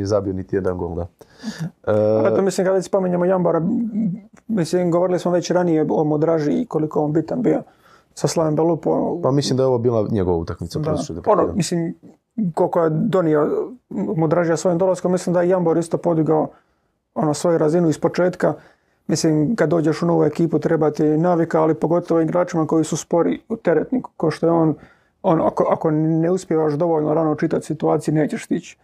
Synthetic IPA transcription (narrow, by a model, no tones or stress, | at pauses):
nijezabionit̪ijed̪anɡo̰ld̪a | aeomislimkad̪asi̥po̞miɲemojamboɾa | mislimɡo̞ʋoɾilismoʋaet͡ɕɾanijeomod̪ɾaʒikolikoonbit̪anbijo | saslˠaʋembelupṵpamislimd̪aeo̞ʋobiːlˠaɲeɡoʋaṵt̪akmit̪sad̪asud̪ponomislim | kolkojed̪o̞nio | mud̪ɾaʒijasʋo̞jimd̪o̞laskomisliːmd̪ajejamboɾist̪o̞po̞d̪iɡao | onosʋo̞juɾazinuispo̞t͡ʃe̞ːt̪ka | misliːmkad̪ːoːd͡ʑe̞ʃuno̞ʋue̞kiːput̪ɾe̞bat̪inaːʋikaalipo̞ɡo̞t̪oʋoiɡɾaːt͡ʃimako̞jisuspo̞ɾiut̪e̞ɾet̪nikkoʃt̪ojeoːn | on̰akoʔakoneuspjeʋaʃd̪o̞ʋo̞ʎnoɾanot͡ʃit̪at̪ʲsit̪uaːt̪sijune̞ːt͡ɕeʃst̪it͡ɕ